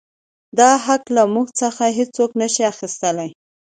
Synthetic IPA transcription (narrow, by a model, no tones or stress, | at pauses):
d̪ɑɦaklamuɡt͡səxaɦet͡soknəʃiaxist̪əlaj